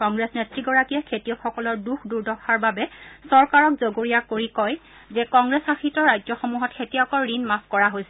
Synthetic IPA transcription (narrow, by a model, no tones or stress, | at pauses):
kɔŋɡɹesnetɹiɡɔɹakiɛkʰetijɔxɔkɔlɔɹduxʰduɹdɔxʰaɹbabɛsɔɹkaɹɔkzoɡoɹijakoɹikɔj | zɛkɔŋɡɹɛsaxitɔɹːajzɔxomuɦɔtkʰetijɔkɔɹːinmaskɔɹaɦojsɛ